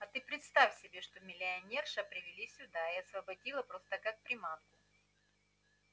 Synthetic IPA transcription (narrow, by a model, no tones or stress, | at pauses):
ɐt̪ɨpɾʲɪt̪st̪afʲsʲɪbʲeʂt̪omʲɪlʲɪɐnʲerʂəpɾʲɪvʲɪlʲisʲʊd̪aɪɐsvɐbɐdʲilˠəpɾo̞st̪əkak̚pɾʲɪmat̪kʊ